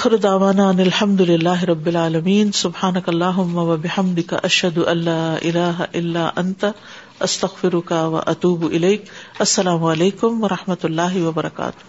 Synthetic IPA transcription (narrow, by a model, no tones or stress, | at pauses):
ʔaaːxɪɾd̪aʕʋaːnaːanɪlħɐmd̪ʊlɪlːaːɦɪɾˤɐbːɪlʕaːlɐmiːnsʊbħaːnɐkɐlˤːaːɦʊmːawɐbɪħɐmd̪ɪka̰ʔɐʃhɐd̪ʊʔɐnːaːʔɪlaːɦaʔɪlːaːʔɐnt̪a | ʔɐst̪ɐɣfɪɾʊkawɐ̰ʔɐt̪uːbʔɪlejkʔɐsːɐlaːmʊɐleːkʊmʋɐɾˤɑħmɐt̪alːaːɦɪwɐbɐɾˤɑka̰ːt̪ʊ̥h